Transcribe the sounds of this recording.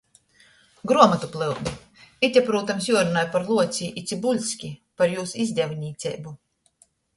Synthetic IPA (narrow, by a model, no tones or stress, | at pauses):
ɡɾuɔmat̪uplˠɨlˠd̪u | it̪ʲapɾuːt̪amsjuɔɾunaːjpaɾlˠuɔt̪sʲiʔit̪sʲibulʲsʲkʲipaɾjuːsizʲd̪ʲɛvnʲiːt̪sʲɛ̰jbu